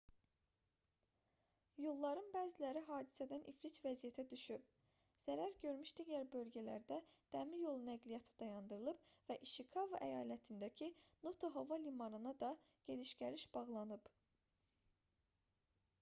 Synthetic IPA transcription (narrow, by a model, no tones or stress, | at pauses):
jolˠːɑɾɯnbæːzilæɾiɦɑːd̪i̥sæd̪ænʔiflisvæzijæt̪ʰæd̪yʃyb̚ | z̥æɾæɾɟø̞ɾmyʃd̪iɟæɾbø̞lɟælæ̰ɾd̪æd̪̥æmijo̞lˠunæɡlijɑt̪ʰi̥d̪ɑjɑnd̪ɯɾɯlˠɯbvæʔiʃikʰɑvɑʔæjɑːlæt̪ʰind̪æcʰino̞t̪ʰoɦovɑlimɑɾɯnɑd̪ɑ | ɟ̥e̞liʃɡʲæɾiʃb̥ɑɣlˠɑnɯb̥